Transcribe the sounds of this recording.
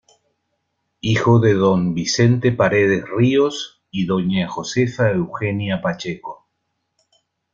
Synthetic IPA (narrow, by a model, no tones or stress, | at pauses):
ixoðeðo̞mbise̞nt̪epaɾeðesrios | iðo̞ɲaxo̞sefaewxenjapat͡ʃeko